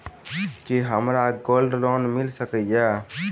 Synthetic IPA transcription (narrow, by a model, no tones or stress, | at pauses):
kiɦəmɾaɡoːlɖɾɔnmɪlsəkəja